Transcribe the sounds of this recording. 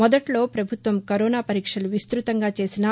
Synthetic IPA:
mɔd̪ɐʈlo̞ːpɾɐbʱut̪ʋɐmkɐɾoːnaːpɐɾiːkʂɐluʋist̪ɾut̪ɐŋɡaːt͡ʃe̞ːsinɐ

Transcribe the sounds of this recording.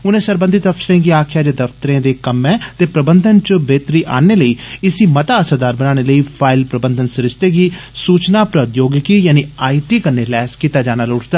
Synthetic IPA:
ʊnẽːsəɾbə̃nd̪ʱit̪əfʃəɾẽːɡiːaːkʰɪjaːd͡ʒeːd̪əft̪əɾẽːd̪eːkəmɛ̃ːt̪eːpɾəbənd̪ʱənt͡ʃəbeːt̪ɾiːʔa̰ːneːləiːɪsiːmət̪aːəsaːd̪aːɾbənaːñeːləiːpʰaːɪlpɾəbənd̪ʱənsəɾɪst̪eːɡiːsuːt͡ʃnaːpɾət̪joːɡkiːjaːniːaːiːʈiːkənːeːlɛːskiːt̪aːd͡ʒaːnaːlʊʈʰd̪aː

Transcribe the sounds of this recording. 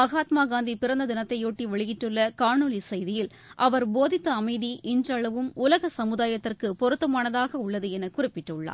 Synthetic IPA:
mɐɣaːt̪maːɡaːnd̪ipɪɾɐnd̪ɐd̪ɪnɐt̪ːɐɪjoːʈːiʋɐɭɪjɪʈːɯɭːɐkaːɳɯlisɐjðɪjɪl | ʔɐʋɐɾboːðɪt̪ːɐɐmɐɪðiʔɪndrɐɭɐʋɯmʊlɐɣɐsɐmɯðaːjɐt̪ːɪrkɯpɔɾɯt̪ːɐmaːnɐðaːɣɐʊɭːɐðɯɛnɐkʊrɪpːɪʈːɯɭːa̰ːɾ

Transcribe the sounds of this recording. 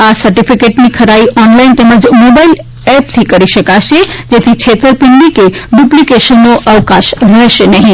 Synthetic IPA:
asəɾʈipʰikeʈnikʰəɾaiʔɔnlaint̪eməd͡ʒmobail | ɛpt̪ʰikəɾiʃəkaʃed͡ʒet̪ʰit͡ʃʰet̪əɾpɪɳɖikeɖuplikeʃənːoʔəʋkaʃɾəɦʃenəɦĩ

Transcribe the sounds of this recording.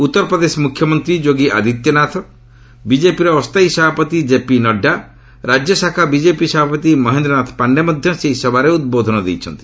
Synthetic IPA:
ut̪ːɔɾɔpɾɔd̪esɔmukʰjɔmɔnt̪ɾid͡ʒoɡiʔa̰d̪ʱit̪jɔnat̪ʰɔ | bid͡ʒepiɾɔːst̪aɦisɔbʱapɔt̪id͡ʒepinɔɖːa | ɾad͡ʒjɔsakʰabid͡ʒepisɔbʱapɔt̪imɔɦend̪ɾɔnat̪ʰɔ̥paɳɖemɔd̪ʱjɔseɦisɔbaɾeud̪̚bod̪ʱɔnɔd̪ḛjt͡ʃʰɔnt̪i̥

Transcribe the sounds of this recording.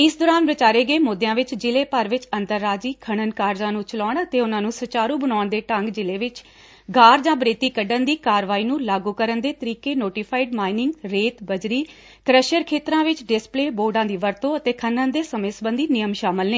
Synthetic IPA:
ɪsd̪oːɾaːnʋɪt͡ʃaːɾeːɡeːmoːd̪ejãːʋɪt͡ʃd͡ʒɪleːpəɾʋɪt͡ʃənt̪əɾːaːd͡ʒiːkʰəɽ̃ənkaːɾd͡ʒãːnũːt͡ʃəlaːɳət̪eːʊnãːnũːsət͡ʃaːɾũːbəɽaːɳd̪eːʈəŋɡd͡ʒɪleːʋɪt͡ʃ | ɡʱaːɾd͡ʒãːbɾeːt̪iːkəɖənd̪iːkaːɾʋaːiːnũːlaːɡuːkəɾənd̪eːt̪əɾiːkeːnoːʈɪːpʰaːiɖmaːɪnɪ̃ŋɡɾeːt̪bəd͡ʒɾiː | kɾəʃəɾkʰeːt̪ɾãːʋɪt͡ʃɖɪspleːboːɖãːd̪iːʋəɾt̪õːət̪eːkʰənənd̪eːsəmeːsbənd̪iːnɪjəmʃaːməlneː

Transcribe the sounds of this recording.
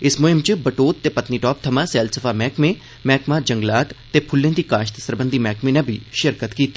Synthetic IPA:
ɪsmʊɦɪmt͡ʃəbəʈoːt̪ːeːpət̪niʈɔːp̚t̪ʰəmãːsɛːlsəfʰaːmɛːkmẽ | mɛːkmaːd͡ʒə̃ŋɡlaːt̪ːeːpʰʊlːẽːd̪iːkaːʃt̪əsəɾbənd̪ʱiːmɛːkmẽnɐbʱḭʃɪɾkət̪kiːt̪ː

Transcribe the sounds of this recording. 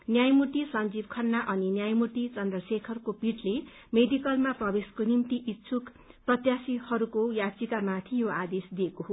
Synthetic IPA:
njajmuʈisʌnd͡zibkʰʌnːaʔʌninjajmuʈit͡sʌnd̪rʌsekʰʌrukopiʈle | med̪ikʌlmaprʌbeskonimt̪iʔitːsʰuk | prʌt̪jasihʌɾukojat͡sikamat̪ʰijoad̪esd̪iekoɦo

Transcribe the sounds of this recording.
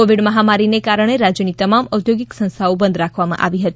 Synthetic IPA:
oʋiɖməɦamaɾinekaɾəɳ̃eɾad͡ʒjənit̪əmaməd̪ʱjoɡiksə̃nst̪ʰaobənd̪ʱɾakʰʋamã̰ʔa̰ʋiɦət̪i

